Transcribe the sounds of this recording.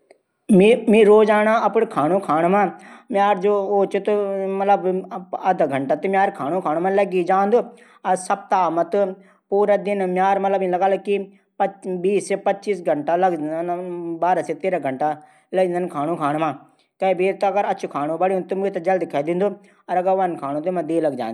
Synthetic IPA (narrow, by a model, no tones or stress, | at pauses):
mimĩːɾoːd͡ʒaːñaːɐpɽkʰaːñũːkʰaːɽmãːmjaːɾd͡ʒooːt͡ʃut̪mɐt̪ləbɐd̪aɡʱɐɳʈaːt̪emjaːɾkʰaːnũːkʰaːñuːmãləɡid͡ʒaːnd̪oː | ɐsɐb̚t̪aːmət̪ | puːɾad̪ɪnmjaːɾmɐt̪ləblɐɡaːlːki | pbiːspɐt͡ʃiːsɡʱɐɳʈalɐɡnbaːɾaset̪eːɾaɡʱɐɳʈa | lɐɡĩnd̪ənkʰaːñũːkʰaːɽ̃mãː | kɐibiːɾt̪ɐɡəɾɐtːʃʰukʰaːñõbəɽiũt̪ʊmet̪d͡ʒɐld̪ɪkʰaːid̪ɪ̃nd̪oː | ɐɾɐɡəɾʋɐnkʰaːñõt̪omɐ̃d̪eːlɐɡd͡ʒa̰ːnd̪